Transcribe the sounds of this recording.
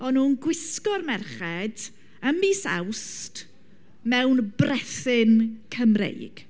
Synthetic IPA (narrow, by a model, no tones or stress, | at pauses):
ɔnuːnɡwɪskɔrmɛrχɛd | əmiːsa̰wst | mɛwnbrɛθɪnkʰəmrḛjɡ̥